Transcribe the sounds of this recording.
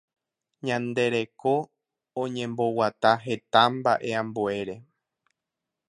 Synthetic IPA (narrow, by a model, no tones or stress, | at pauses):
ɲãnd̪e̞ɾe̞ko̞ | õɲẽ̞mbo̞wat̪aɦe̞t̪ambaʔe̞ãmbue̞ɾe̞